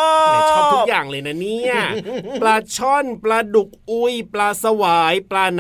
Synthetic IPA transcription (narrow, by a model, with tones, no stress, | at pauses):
a˦u˥k̚jaː˨˩ŋlɤː˧jna˦˥ni˦˥˩ɐplaː˧t͡ɕʰɔ˥˩npɾa˧du˨˩k̚ʔu˧jplaː˧sa˧waː˩˦jplaː˧n